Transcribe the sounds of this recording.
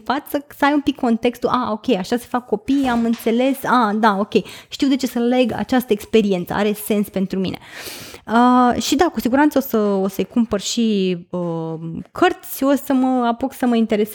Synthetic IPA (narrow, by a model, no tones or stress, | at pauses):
fat̪səsəajumpikʰːo̞nt̪e̞kst̪uʔao̞kʲe̞jaʃase̞̥fakːo̞pijamɨnt̪se̞le̞sad̪ao̞kʲe̞jʃt̪iwd̪e̞t͡ʃe̞səle̞ɡa̰t͡ʃast̪əekspe̞ɾie̞nt̪sə̰a̰ɾe̞se̞nspe̞nt̪ɾumḭne̞̰ | əʃid̪akusiɡuɾant̪səosəosəjkumpərʃiəkʰərt̪sʲosəməapuksəməint̪e̞ɾes